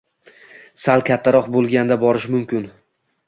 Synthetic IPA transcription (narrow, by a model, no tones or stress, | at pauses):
salˠkʲʰat̪ʰːaɾɒqbolˠɡʲand̪abɒɾɪʃmʊmkʲɪn